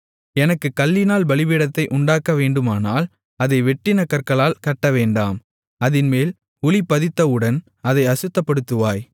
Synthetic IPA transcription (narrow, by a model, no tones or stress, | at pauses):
ɛnɐkːɯkɐlːɪnaːlbɐɭɪbɪɽɐt̪ːɐɪʔʊɳɖaːkɐʋeːɳɖɯmaːnaːl | ɐðɐɪʋɛʈːɪnɐkɐɾkɐɭaːlkɐʈːɐʋeːɳɖaːm | ɐðɪnmeːl | ʊlɪpːɐðɪt̪ːɐɯɽɐn | ɐðɐɪɐsɯt̪ːɐpːɐɽɯt̪ːɯʋaːj